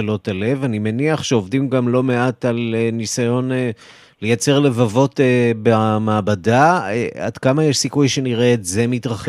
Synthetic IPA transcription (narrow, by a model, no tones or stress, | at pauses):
lo̞tale̞vanimeniaχʃeo̞vdimɡamlo̞me̞atalenisajo̞ne | le̞jat͡se̞ʁle̞vavo̞tebeamaːbadaea̰d̥kamajeʃsikujʃe̞niʁe̞ːtzemitʁaχ